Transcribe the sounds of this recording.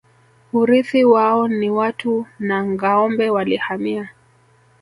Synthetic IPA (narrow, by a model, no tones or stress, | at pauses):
uɾiθiwaɔniwatʰunaŋɡaɔmbɛwalihamia